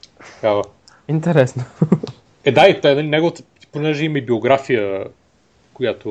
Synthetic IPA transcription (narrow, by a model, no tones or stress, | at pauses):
t̪ɐkavə | int̪ɛɾɛsno | ɛd̪ait̪ɛnɐlʲinɛɡovət̪ə | ponɛʒɛimɐibioɡɾafijə | kojat̪o